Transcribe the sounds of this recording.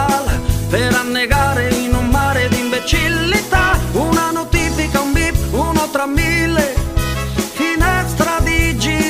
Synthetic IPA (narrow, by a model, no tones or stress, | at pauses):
lpeɾanːeɡaːɾeinummaːɾed̪iɱbet͡ʃilːit̪aunanot̪iːfikaumbipunot̪ɾamːilːe | finɛst̪ɾad̪id͡ʒi